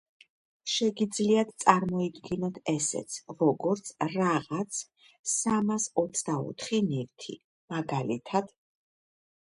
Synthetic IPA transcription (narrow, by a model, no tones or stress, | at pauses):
ʃɛɡid̪zliat̪̚ʰt̪sʼaɾmɔid̪ɡɛnɔt̪ʰɛsɛ̰t̪sʰɾɔɡɔɾt̪sʰɾaʁat̪sʰ | samasɔt̪sʰd̪aɔ̰t̪ʰχinɛvt̪ʰḭ | maɡalḭt̪ʰad̪̥